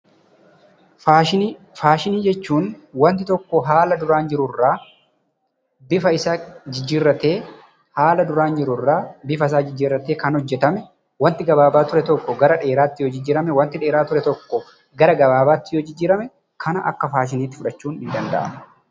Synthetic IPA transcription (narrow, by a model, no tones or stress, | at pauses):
aːʃɪ | faːʃɪniːd͡ʒɛt͡ʃːuːnwɐnt̪ɪt̪ɔkːɔɦaːlɐd̪ʊɾaːnd͡ʒɪɾʊrːaː | bɪfɐɪsad͡ʒɪd͡ʒːiːrːɐt̪e̞ː | haːlɐd̪ʊɾaːnd͡ʒɪɾʊrːaːbɪfɐs̬aːd͡ʒɪd͡ʒːiːɾːɐt̪eːkɐnhɔd͡ʒːɛt̪ɐmɛ | wɐnt̪ɪɡɐbaːbaːt̪ʊɾɛt̪ɔkːɔɡɐɾɐᶑe̞ːɾaːt̪ːɪjoːd͡ʒɪd͡ʒːɪːɾɐmɛwɐnt̪ɪᶑe̞ːɾaːt̪ʊɾɛt̪ɔkːɔ | ɡɐɾɐɡɐbaːbaːt̪ːɪjoːd͡ʒɪd͡ʒːɪːɾɐmɛ | kʰɐnɐʔɐ̰kːɐfaːʃ̬ɪniːt̪ːɪ̥fʊᶑɐt͡ʃːuːnhɪnd̪ɐnd̪ɐ̰ʔɐ̰mɐ